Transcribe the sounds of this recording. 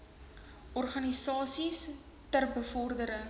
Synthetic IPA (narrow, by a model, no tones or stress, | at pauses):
ʔɔrχɐnisɑːsis | tərbəfɔrdəɾə